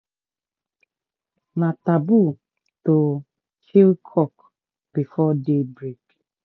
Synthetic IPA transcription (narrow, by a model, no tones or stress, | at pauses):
natabu | to | kʰilkʰɔk | b̥ifɔdebɾik